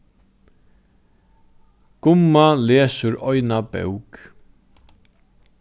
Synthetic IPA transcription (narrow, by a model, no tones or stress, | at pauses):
ɡ̥ʊmːaleːsʊɹɔjnabœ̰wk